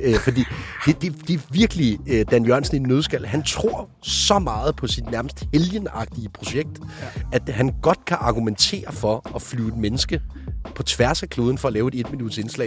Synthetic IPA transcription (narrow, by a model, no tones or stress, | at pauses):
fɒ̽d̥ḭːhed̥e̝d̥e̝ʋiɐɡ̥əlid̥ænjɶɐnsən̩inːøð̞ˠsɡ̥æl̰ɦænt͡sʰʁo̝ɐ̰ | sɒ̽mɑ̈ːð̞̩ˠpʰɒ̽sid̥næɐməsd̥he̝ljənɑ̈ɡ̥̚d̥iəpʰʁo̝ɕeɡ̥̚d̥æd̥ɦænɡ̥ɒ̽d̥kʰæʔɑ̈ɡ̥ument͡sʰe̝̰ːɐfɒ̽ɒflyːed̥menəsɡ̥əpʰɒ̽t͡sʰʋæɐsækʰlo̝ːðˠn̩fɒ̽ɒlɛːʊe̝de̝d̥minud̥se̝nslɛ̰ː